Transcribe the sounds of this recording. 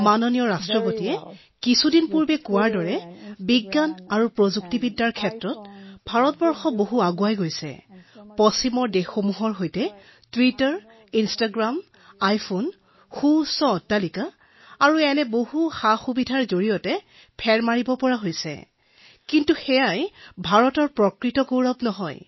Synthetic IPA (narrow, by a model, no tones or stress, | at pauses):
manɔnijɔɹastɹɔpotiɛ | kisudinpuɹbɛkʊwaɹdɔɹɛbiɡːanaɹupɹozuktibidːaɹkʰɛtɹɔtbʱaɹɔtbɔɹxɔboɦuaɡuajɡojsɛ̰pɔsimɔɹdɛxomuɦɔɹɦojtɛ | twitaɹ | instaɡɹam | ajpʰon | xusɔtːalikaː | ɹuɛnɛbohuxaxubidʱaɹzoɹijɔtɛ | pʰɛɹmaɹibɔpɔɹaɦojsɛ̰ | kintuxɛjajbʱaɹɔtɔɹpɹɔkɹitɔkowɹɔbnɔɦɔj